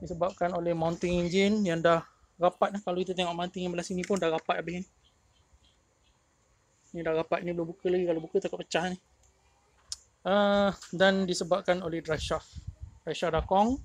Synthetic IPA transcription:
disəbap̚kanolɛhmawnt̪ɪŋiɲd͡ʒɪnjaŋdah | ɣapat̪̚akalokit̪at̪̬eŋɔʔmawnt̪ɪŋjãbəlasinĩpʊndahɣapat̪abɪhni | nidahɣapat̪̚nĩbəlubukəlaɡikalobukət̪akɔt̪̚pə̥t͡ʃaɦni | ədandisəbap̚kanolɛhdɾajʃafdraʃafdakɔŋ

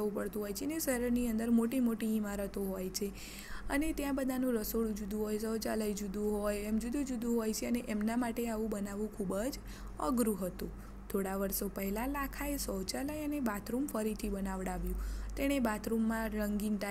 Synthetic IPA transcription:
əũpəɭt̪ũɦɔjt͡ʃʰeneʃəɾəɾniənd̪əɾmoʈimoʈiimaɾət̪oɦojt͡ʃʰe | ənet̪jãbəd̪ʱanũɾəsoɽd͡ʒud̪ũɦojsəwt͡ʃaləjd͡ʒud̪ũɦojemd͡ʒud̪ũd͡ʒud̪ũɦojt͡ʃʰeəneʔemnamaʈeaʋũbənaʋũkʰubəd͡ʒ | ə̰ɡɾuɦət̪ũ | t̪ʰoɽaʋəɾsopəɦɛlalakʰaesəwt͡ʃaləjənebat̪ʰɾumfəɾit̪ʰibənaʋɽaʋjũt̪eɽ̃ebat̪ʰɾumːãɾəŋɡinʈ̪a

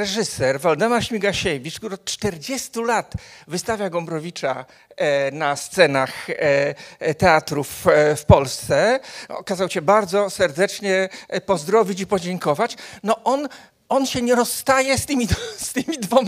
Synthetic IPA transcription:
ɾɛʐɘsɛɾvɔld̪ɛmaɾɕmʲiɡaɕɛvʲit͡ʂk̚t̪uɾɔt̪̚t͡ʂt̪ɛɾd͡ʑɛst̪ulat̪vɘst̪avʲjaɡɔmbɾɔvʲit͡ʂa | nast̪sɛnax | t̪ɛat̪ɾuffpɔlst̪sɛɔ̰kazawɕɛbaɾd̪zɔsɛɾd̪ɛt͡ʂɲɛpɔzd̪ɾɔvʲit͡ɕipɔd͡ʑɛŋkɔvat͡ɕnɔʔɔn | ɔnɕɛɲɛɾɔsːt̪ajɛst̪ɘmʲist̪ɘmʲid̪vɔm

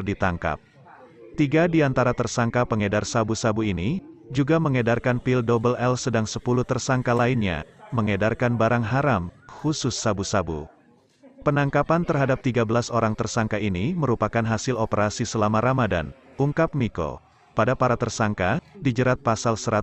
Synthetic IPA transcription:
rdit̪aŋka̰p̚ | t̪iɡadiant̪aɾat̪ərsaŋkapəŋedarsabusabuinid͡ʒuɡaməŋedarkanpildɔbəlɛlsədaŋsəpuluht̪ərsaŋkalainɲa̰məŋedarkanbaɾaŋɦaɾamxusʊsːabusabṵ | pənaŋkapant̪ərɦadap̚t̪iɡabəlasoɾaŋt̪ərsaŋkaʔiniməɾupakanɦasɪlopəɾasisəlamaɾʔamada̰n | uŋkap̚miko̰ | padapaɾat̪ərsaŋkadid͡ʒəɾat̪̚pasalsəɾa

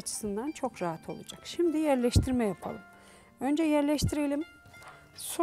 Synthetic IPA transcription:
at͡ʃʰɯ̥sɯnd̪ant͡ʃʰo̞kɾaɦat̪ʰo̞̰lˠṵd͡ʒakʃimd̪ijæɾlʲɛʃt̪ʰiɾmɛjapʰa̰lˠɯm | ø̞nd͡ʒɛjæɾlʲɛʃt̪ʰiɾelʲim | so

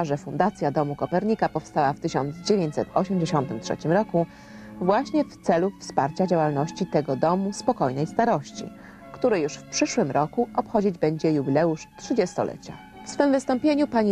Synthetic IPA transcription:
aʐɛfund̪at̪sʲjad̪ɔmukɔpɛɾɲikapɔfst̪awaft̪ɘɕɔ̰nd̪zd͡ʑevʲjeɲt͡ɕsɛt̪ʰɔɕɛmd͡ʑeɕɔnt̪ɘmtʂɛ̰t͡ɕimɾɔku | vwaɕɲɛft̪sɛlufspaɾt͡ɕad͡ʑawalnɔɕt͡ɕit̪ɛɡɔd̪ɔmuspɔkɔjnɛjst̪aɾɔɕt͡ɕḭ | kt̪uɾɘjuʂfpʂɘʂwɘmɾʔɔkuʔɔpxɔd͡ʑid͡ʑbɛɲd͡ʑɛjubʲilɛuʂtʂɘd͡ʑɛst̪ɔ̰lʔɛ̰t͡ɕa̰ | fsfɘmvɘst̪ɔmpʲjeɲupaɲi

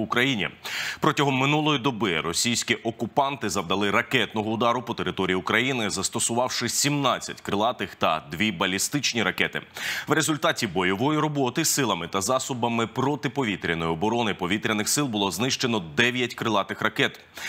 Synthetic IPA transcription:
ʊkɾɐjinʲḭpɾɔtʲɐɦɔmːɪnulˠɔjid̪ɔbɪrɔsʲijsʲkʲiʔɔkʊpɑnt̪ɪzɐbd̪ɐlˠɪɾɐkɛt̪nɔɦɔʊd̪ɑɾʊpɔt̪eɾɪt̪ɔɾʲijiʊkɾɐjinɪzɐst̪ɔsʊʋɑwʃɪsʲimnɑt͡sʲːɐ̰tʲkɾɪlˠɑt̪ɪxt̪ɐ̰d̪ʋʲibɐlʲist̪ɪt͡ʃnʲiɾɐkɛt̪ɪ̰ʋɾezʊlʲt̪ɑtʲibɔjɔʋɔjiɾɔbɔt̪ɪsɪlˠɐmɪt̪ɐzɑsʊbɐmɪpɾɔt̪ɪpɔʋʲit̪ɾʲɐnɔjɔbɔɾɔnɪpɔʋʲit̪ɾʲɐnɪxsɪlˠbʊlˠɔznɪʃt͡ʃenɔd̪ɛʋʲjɐtʲkɾɪlˠɑt̪ɪxɾɐkɛt̪

